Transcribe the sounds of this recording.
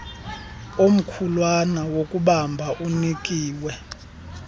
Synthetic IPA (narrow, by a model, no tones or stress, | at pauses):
om̩kʰulwanawokʼuɓambʱaʔunikʼiːwɛ